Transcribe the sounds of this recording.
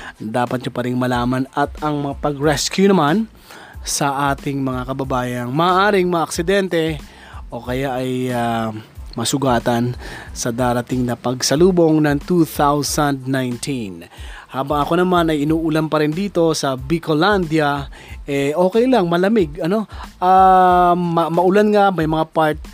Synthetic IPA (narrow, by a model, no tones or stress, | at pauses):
d̪aːpɐt̪̚ɲʊpɐɾɪŋmɐlaːmɐnɐt̪ɐŋmɐŋapɐɡɾɛskjunɐman | sɐʔaːt̪ɪŋmɐŋakɐbɐbaːjɐŋmɐːʔaːɾɪŋmɐŋaʔɐksɪd̪ɛnt̪ɛ | ʔo̞kɐjaʔɐja | mɐsʊɡaːt̪ɐnsɐd̪aːɾɐt̪ɪŋnɐpɐɡsɐluːbo̞ŋnɐŋt̪uθawsɐnd̪̚najnt̪ʰin | haːbɐŋɐko̞nɐmanɐjɪnuːʔʊlanpɐɾɪnd̪iːt̪o̞sɐbikoland̪jɐ | ʔɛʔo̞ːkɛjlɐŋmɐlɐmɪɡɐno̞ʔa | mɐmɐʊlanŋamɐjmɐŋapaɹt̪̚